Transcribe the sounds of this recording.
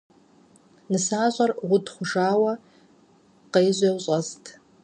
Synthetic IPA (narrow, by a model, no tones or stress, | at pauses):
nɨsaːzʷʼarʁʷʊdʰʼχʷʊʐaːwa | qejzʷawɕʼaztʰʼ